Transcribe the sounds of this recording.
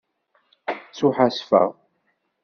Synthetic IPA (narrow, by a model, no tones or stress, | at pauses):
t͡sːuħasfə̰ʁ